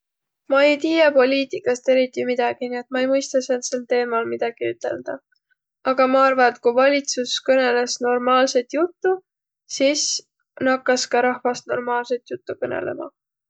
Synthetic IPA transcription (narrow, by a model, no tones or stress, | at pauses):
mɑe̞jt̪iːjepo̞lʲiːt̪ikːˑɑst̪e̞ɾit̪ːˑimid̪̥ɑɡ̥inie̞t̪̚mɑejmɯjst̪ɑsent̪se̞lt̪e̞ːmɑlmid̪̥ɑɡ̥iyt̪ːˑe̞̰ld̪̥ɑ | ɑɡ̥ɑmɑɑrvɑet̪kujvɑlʲit̪suskɤne̞le̞sno̞rmɑːlse̞t̪jut̪ːu | sis | nɑkːˑɑskɑɾɑhvɑst̪no̞̰rmɑːlse̞t̪jut̪ːukɤnḛle̞̰mɑ̰